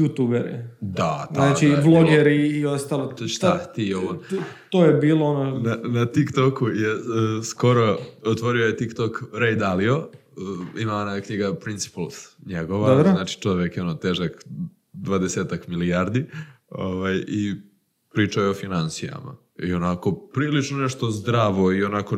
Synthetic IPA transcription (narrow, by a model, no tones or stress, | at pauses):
jut̪ubeɾḭd̪at̪anat͡ʃiblˠoɡeɾiːost̪alost̪at̪ioont̪ojebiːlˠoononanat̪ikt̪okujesko̞ɾoot̪ʋo̞ɾioje̞t̪ikt̪okɾejd̪alio̞əimaonajkɲiɡapɾint̪si̥palˠsɲeɡo̞ʋaaɾnaːt͡ʃi̥t͡ʃo̞ʋjekjeonot̪eːʒak | d̪ʋad̪eseːt̪akmiliaɾd̪i | oʋaji | pɾiːt͡ʂajeofinansija̰ma̰ | io̞nako̞pɾiːlit͡ʃnoneʃt̪o̞zd̪ɾaːʋo̞io̞nako̞